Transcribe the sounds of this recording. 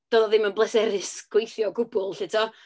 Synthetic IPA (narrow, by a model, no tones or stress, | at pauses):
d̥oːðɔðɪmənblˠɛsɛɾɪsɡ̥wejθjɔɡʊbʊlˠɬɪtʰɔ